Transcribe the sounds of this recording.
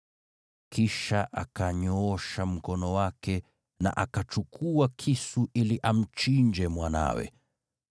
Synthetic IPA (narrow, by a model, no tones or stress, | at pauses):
kiʃaʔa̰kaɲɔɔʃam̩kɔnɔwakɛ | na̰ʔakat͡ʃukʰuakʰisuʔiliʔam̩t͡ʃiɲd͡ʒɛmwana̰wɛ̰